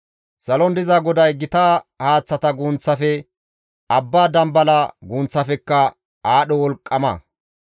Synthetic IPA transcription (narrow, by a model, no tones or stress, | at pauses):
sɐlɔnd̪ɪzaːɡɔd̪ɐjɡɪt̪aːhaːt͡sːɐt̪ɐɡuːnt͡sːɐfɛ | ɐbːaːd̪ɐmbɐlɐɡuːnt͡sːɐfɛkːɐ | aːɗɔwɔlkʼːɐmɐ̰